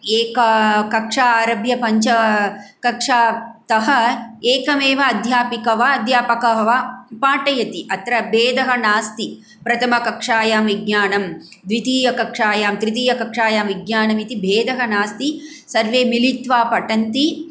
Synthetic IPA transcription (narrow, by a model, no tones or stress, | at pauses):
eːkɐkɐkʂaːaːɾɐbʱjɐpɐɲt͡ʃɐkɐkʂaːt̪ɐɦɐeːkɐmeːʋɐːd̪ʱjaːpikɐʋaɐd̪ʱjaːpɐkɐɦɐʋapaːʈɐjɐt̪iʔɐt̪ɾɐbʱeːd̪ɐɦɐnaːst̪i | pɾɐt̪ʰɐmɐkɐkʂaːjaːmʋiɡɲaːnɐm | d̪ʋit̪iːjɐkɐkʂaːjaːmt̪ɾit̪iːjɐkɐkʂaːjaːmʋiɡɲaːnɐmit̪ibʱeːd̪ɐɦɐnaːst̪i | sɐɾʋeːmilit̪ʋaːpɐʈɐnt̪i